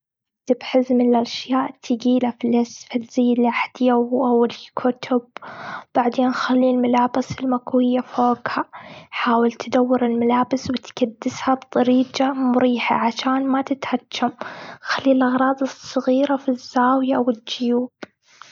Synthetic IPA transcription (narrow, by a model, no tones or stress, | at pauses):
t̪ɪbħɪzmɪnɪlʔaʃjaːʔt̪ʰɪɡiːlafilɪsfilz̥ijːɪliaħad̪jaʔawɪlkʰʊt̪ʰʊb̚b̥aʕd̪eːnxalːiːlmalaːbɪsɪlmakwɪjːafoːɡhaħaːwɪlt̪d̪awːɪɾɪlmalaːbɪswɪt̪kad̪ːɪshabt̪ˤɑɾiːd͡ʒamʊɾiːħa̰ʕaʃaːnmat̪ɪt̪had͡ʒːamxalːiːlʔɑɣɾˤɑːd̪ˤɨsˤːɨɣiːɾafizːaːwjaʔwɪd͡ʒʊjuːb̥